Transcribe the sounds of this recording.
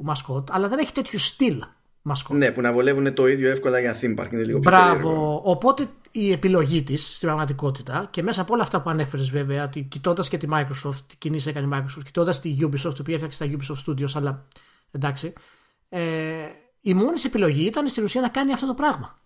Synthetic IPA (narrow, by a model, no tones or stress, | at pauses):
mɐsko̞t̪ɐlɐðe̞ne̞çi̥t̪e̞t̪çust̪il | mɐskone̞punɐvo̞le̞vune̞t̪o̞iðʝo̞e̞fko̞lɐʝɐθimbɐ̰ɾkinelḭɣoçbɾɐvo̞ːpo̞t̪e̞ | iepilo̞ʝit̪isːt̪ibɾɐɣmɐt̪̬iko̞t̪it̪ɐce̞me̞sɐːpoo̞lɐːft̪ɐpuɐne̞fe̞ɾezve̞ve̞ɐo̞t̪icit̪o̞nd̪ɐsce̞t̪imɐikɾosoft̪icinise̞kɐneimɐikɾosoft̪ci̥t̪o̞nd̪ɐst̪iʝubisoft̪opiɐefɐkst̪ɐʝubisoft̪st̪ud̪iosɐlɐ | end̪ɐksi | e | imonise̞pilo̞ʝiit̪ɐnest̪inusiɐnɐkɐniɐft̪otopɾɐɣmɐ